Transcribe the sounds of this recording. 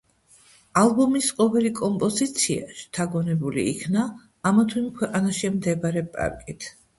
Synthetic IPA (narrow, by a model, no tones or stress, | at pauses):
alˠbɔmisqʼɔvɛlikʼɔmpʼɔzit̪sʰia̰ʃt̪ʰaɡɔnɛbulḭːkʰnaː | mat̪ʰwinkʰwɛqʼanaʃimd̪ɛbaɾɛpʼa̰ɾkʼit̪ʰ